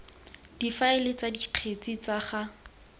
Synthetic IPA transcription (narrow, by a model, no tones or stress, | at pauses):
d̥ifaɪlɪt͡sadiq͡χʰet͡sit͡saχa